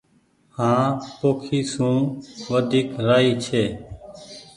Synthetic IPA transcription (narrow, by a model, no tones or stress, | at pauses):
hãːpoːkʰiːsũːʋəd̪ʱiːkɾaːiːt͡ʃʰeː